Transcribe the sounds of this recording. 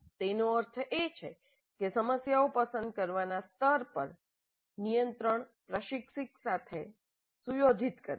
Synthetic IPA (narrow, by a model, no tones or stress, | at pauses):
t̪enoəɾt̪ʰəʔet͡ʃʰḛ | kesəməsjaopəsənd̪̚kəɾʋanast̪əɾpə̰ɾ | nijənt̪ɾəɳpɾəʃikʂiksat̪ʰe | sujod̪ʱit̪kə̰ɾe